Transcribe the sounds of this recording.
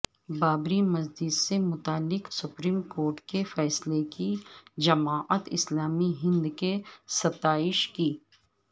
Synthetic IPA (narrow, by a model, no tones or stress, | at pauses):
baːbɾimɐzd͡ʒɪd̪semʊt̪aːlːɪksʊpɾiːmkoːɾʈkefɛːslekid͡ʒɐmaːʔət̪ɪ̰slaːmiɦɪ̃nd̪kesɐt̪aːɪʃkiː